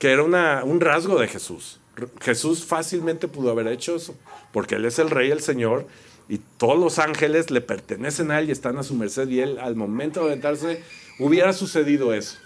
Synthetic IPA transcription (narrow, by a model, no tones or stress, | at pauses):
kee̞ɾaunaunrazɣo̞ðe̞xe̞sṵs | rxe̞susfasilmẽnt̪e̞puðoaβ̞e̞ɾe̞t͡ʃo̞e̞so̞po̞ɾke̞ḛle̞se̞lre̞je̞lse̞ɲo̞ɾ | it̪o̞ðozlo̞saŋxe̞le̞zle̞pe̞ɾt̪e̞ne̞se̞nae̞lie̞st̪anasume̞ɾse̞ðie̞lalmõ̞mẽnt̪oðent̪aɾse̞ | uβje̞ɾasuse̞ðiðo̞e̞so̥